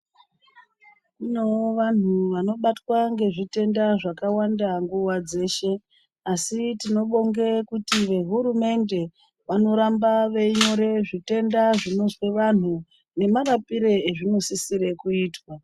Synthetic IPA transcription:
inoʋan̤uʋano̞ɓatwaŋɡe̞ʐite̞ndaʐakawandaŋɡuwad͡ze̞ːʃe̞ | asitino̞ɓo̞ŋɡekutiʋe̞ɦuɾume̞nde̞ | ʋano̞ɾambaʋe̞ɲo̞ɾe̞ʐite̞ndaʐino̞sweʋan̤u | ne̞maɾapiɾe̞eʐino̞sisiɾe̞kuiːtwa

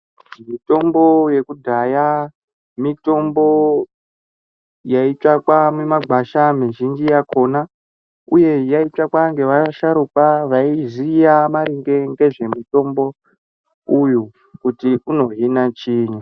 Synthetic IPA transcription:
ʐimito̞mbo̞je̞kudʱaja | mito̞mbo̞ | jait͡ʂakwamemaɡʱaʃamiʒind͡ʒijakʰo̞na | uje̞jait͡ʂakwaŋɡe̞ʋaʃaɾukaʋaizijamaɾiŋɡe̞ŋɡe̞ʐe̞muto̞mbo̞ | uju | kutikuno̞ɦinat͡ʃiːɲu

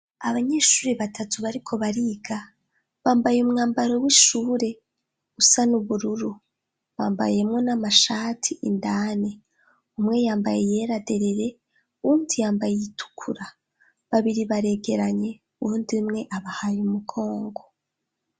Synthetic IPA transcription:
aβaɲe̞ːʃuːɾeβatʰatuβaɾikʰo̞βaɾiːɡa | βaːmbajumŋaːmbaɾo̞wiʃuːɾe̞ | usanuβuɾuɾu | βa̰ːmba̰je̞mŋo̞namaʃaːtʰiʔindaːne | umŋe̞jaːmbajeje̞ːɾade̞ɾe̞ɾe̞ | undijaːmbajejitʰu̥kʰuɾa | βaβiɾiβaɾe̞ɡe̞ɾaɲe̞ | uuːndimŋe̞ʔaβahajumuɡʰo̞ːŋɡo

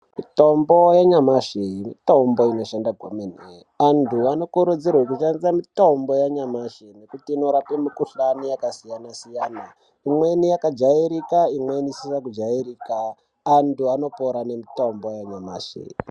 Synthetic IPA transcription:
mito̞mbojaɲamaʃeimito̞mbo̞ino̞ʃandaɡʱomene | antuano̞kuɾud͡zirwekuʃandisamito̞mbo̞jaɲamaʃene̞kutiːno̞ɾapemikuɬanijakasijanasijaːna | imwe̞nijakad͡ʒaiɾikaimwe̞niisisakud͡ʒairiːkaː | ntuano̞poɾane̞mito̞mbo̞jaɲama̰ʃḛ

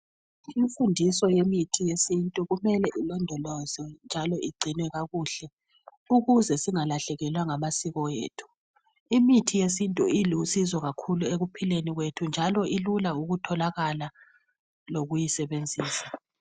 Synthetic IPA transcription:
iɱfundʱisɔjemitʰijesintʼuɣumɛlɛʔilɔndʱɔlɔzɔnd͡ʒʱalɔʔiɡ͡ǀʱinwɛɣaɣuːɬɛ | uɣuzɛsiŋalaɬɛɣɛlwaŋamasiɣɔjḛːtʰu̥ | imitʰijesintʼuilusizɔɣakʰulueɣupʰileniɣwetʰund͡ʒʱalɔʔilulauɣutʰɔlaɣala | loɣujisɛβend͡zʱiːsḁ

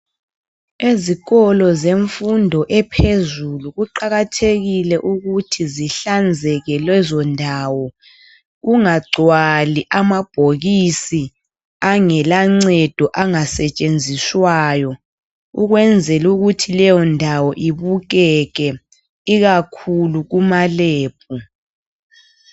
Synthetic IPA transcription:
eziɣɔlɔzeɱfundʱɔʔɛpʰezuluɣuǃaɣatʰeɣilɛʔuɣutʰiziɬand͡zʱɛɣɛlwɛzɔndʱawɔ | ɣuŋaɡ͡ǀʱwaliʔamab̥ʱoɣisi | aŋɛlaŋ͡ǀɛd̥ʱɔʔaŋasɛt͡ʃʼend͡zʱiswaːjɔ | ṵɣwɛnd͡zʱɛluɣutʰilɛjɔndʱawɔʔiβuɣ̬ɛɣɛ | iɣakʰuluɣumaleːb̥̚ʰʱʼu

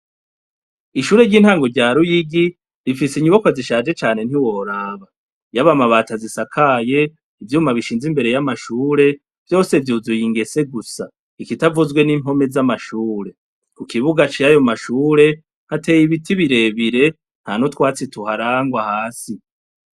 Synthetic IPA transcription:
iʃuːɾe̞ɾɟiːn̥haːŋɡo̞ɾɟaːɾujiɡi | ɾifisiɲuβakwaziʃaːd͡ʒe̞t͡ʃaːne̞n̥hiwo̞ɾaːβa | jaβamaβaːtazisakʰaːje̞ | ivjuːmaβiʃiːnzimbe̞ɾe̞jamaʃuːɾe̞ | v̥jo̞ːse̞vjuzujiŋɡe̞se̞ɡusa | ikitavuzɡwe̞nim̥o̞me̞zamaʃuːɾe̞ | kukiβuɡat͡ʃijajo̞maʃuːɾe̞ | hate̞jiβitʰiβiɾe̞ːβiɾe̞ | n̥hanotwaːt͡situhaɾaːŋɡwahaːsi

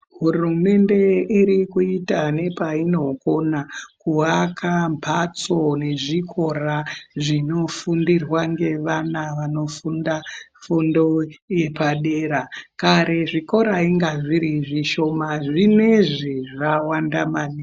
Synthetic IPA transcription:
ɦurume̞nde̞iɾikuitane̞paino̞konakuʋakʰambʰʱat͡sone̞ʐikʰo̞raʐino̞fundirwaŋɡe̞ʋanaʋano̞fundafundo̞je̞paɗe̞ɾakaɾeʐiko̞ɾaiŋɡaʐiɾiʐiʃo̞maʐineʐiʐawandamani

